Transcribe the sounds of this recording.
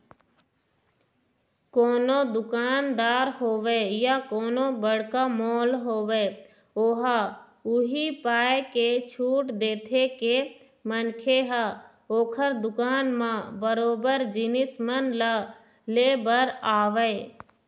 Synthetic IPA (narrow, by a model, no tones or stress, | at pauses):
koːnod̪ʊkaːnd̪aːɾɦoːʋejakoːnobəɽ̤kamoːlɦoːwe | oːɦa | ʊɦipaːeket͡ʃʰuːʈd̪eːt̪ʰeke | mənkʰeɦa | oːkʰəɾd̪ʊkaːnmãbəɾoːbəɾd͡ʒɪnɪsmənla | leːbəɾaːʋəe